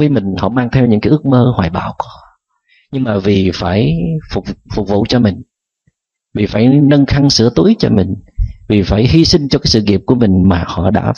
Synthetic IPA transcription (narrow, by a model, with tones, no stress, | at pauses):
vəː˨˦jmï˨˩ŋ̟hɔ̰˧˨maː˧ŋt̪ʰɛ˧wɲɨ̰˧˥ŋkːaː˨˦ʔɨ˦˥ək̚məː˧hwaː˨˩jɓa̰ː˧˨wk | ɲɨ˧ŋmaː˨˩vi˨˩faː˧˩jfʊ˨˩k͡p̚fʊ˨˩k͡p̚vṵ˧˨t͡ɕɔ˧mï˨˩ŋ̟ | vi˨˩faː˧˩jnə˧nxa˧ŋsɨ̰˧˥ət̪u˨˦jt͡ɕɔ̰˧mï˨˩ŋ̟vi˨˩faː˧˩jhi˧sï˧ŋ̟t͡ɕɔ˧kaː˨˦jsɨ̰˧˨ŋi˨˩əp̚ku˧˩əmï˨˩ŋ̟maː˨˩hɔ̰˧˨ɗa̰ː˧˥